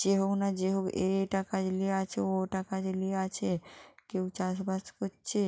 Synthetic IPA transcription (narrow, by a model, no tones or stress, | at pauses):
d͡ʒeɦoknad͡ʑeɦokḛɾeʈakad͡ʒlieat͡ɕʰeoʈakad͡ʑelieat͡ɕʰekewt͡ɕaʃbaskoːt͡ʃʰe